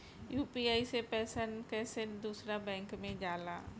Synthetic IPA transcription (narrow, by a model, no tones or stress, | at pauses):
juːpiaːisepɛːsənkɛːsed̪uːsɾabɛ̃ːŋkmẽd͡ʒaːla̰ː